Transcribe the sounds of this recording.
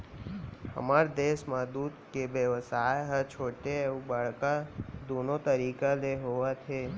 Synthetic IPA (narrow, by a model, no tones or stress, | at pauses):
ə̰maɾd̪eʃmãd̪ud̪keʋjəʋsajɦət͡ʃʰoʈeeʋũbaɭkad̪onot̪əɾikaleɦoʋat͡ʃʰe